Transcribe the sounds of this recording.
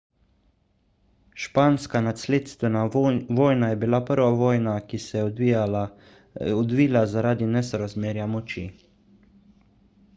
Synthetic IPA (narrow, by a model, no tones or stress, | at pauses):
ʃpaːnskanat̪sleːt̪st̪ʋɛnaʋoːjnajɛbilapəɾʋaʋɔːjnakisɛjɛ | ɔd̪ʋiːlazaɾaːd̪inɛsɔɾazmeːɾjamɔt͡ʃḭ